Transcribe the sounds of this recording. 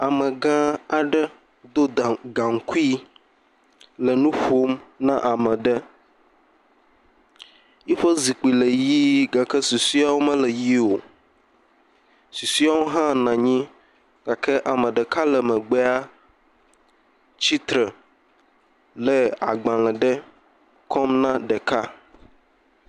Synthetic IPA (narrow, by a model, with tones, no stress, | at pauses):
a˨mə̃˨ɡã˦a˨ɖə˦ | d̪o˦˨ɡã˨ŋ̩˨˦ku˦i˦ | lə˨nũ˦ɸo˦mnã̰˦ʔa˨mə̃˨ɖə˦ | ji˦ɸə˦zi˨k͡pi˨lə˨ji˦ɡa˨kə˦su˨si˦a˦wo˦mə̃˦lə˨ji˦wo˨ | su˨si˦a˦wo˦ɦã˦nã˨ɲĩ˦ | ɡ̥a˨kʰɛ˦ʔa˨mɛ̃˨ɖɛ˨ka˦lɛ˨mɛ̃˨ɡ͡bɛ˦a˦ | t͡ɕi˦t̪ɾə˨ | lɛ˨a̰˨ɡ͡bã˨lɛ̃˨ɖɛ˦ | kʰɔ˦mnã˦ɖɛ˨ka˦